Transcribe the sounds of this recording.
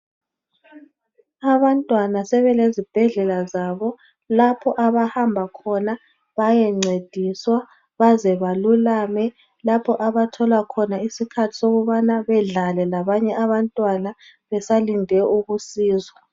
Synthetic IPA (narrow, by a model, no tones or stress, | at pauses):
aβantʼwanasɛβɛlezib̥ʱɛɮɛlazaβɔ | lapʰɔʔaβahambʱakʰɔna | βajɛŋ͡ǀed̥ʱiswa | βazɛβalulamɛ | lapʰɔʔaβatʰɔlwakʰɔnaisikʰatʰi̥soɣuβanaβɛɮalɛlaβaɲɛaβantʼwana | βɛsalindʱɛʔuɣusiːzwa